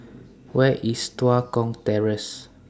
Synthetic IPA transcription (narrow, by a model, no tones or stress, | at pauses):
wɛʔistwakɔ̃ŋtɛɹəs